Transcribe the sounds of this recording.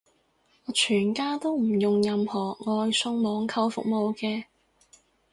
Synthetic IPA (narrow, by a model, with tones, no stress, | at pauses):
ŋɔː˨˧t͡ʃʰyː˨˩nkaː˥t̪o˥wm̩˨˩jʊ˨ŋjɐ˧mhɔː˨˩ŋɔː˧jsʊ˧˥ŋmɔː˨˧ŋkʰɐ˧wfʊ˨k̚mo˨˧wkɛː˧